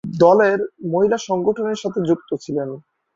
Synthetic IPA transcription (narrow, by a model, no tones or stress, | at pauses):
d̪ɔleɾmoɦilaʃɔŋɡoʈʰoneɾʃat̪ʰed͡ʑuk̚t̪ot͡ɕʰilen